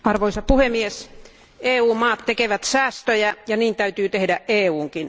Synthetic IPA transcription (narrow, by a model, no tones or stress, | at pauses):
ɑrʋoisɑpuhemies | eːuːmmɑːt̪tekeʋæt̪sæːst̪øjæjɑniːnt̪æyt̪yːt̪ehdæʔʔeːuːŋkin